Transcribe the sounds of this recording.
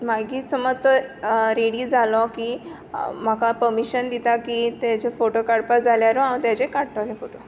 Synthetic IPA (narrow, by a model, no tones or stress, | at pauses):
maɡiːsəmət̪ɔɾeɽiːd͡zalɔkiː | m̤akapəɾmiɕənd̪it̪akit̪at͡ɕefoʈokaɽpad͡zʱaljaɾoãw̃t̪jat͡ɕekaɽt̪alefoʈo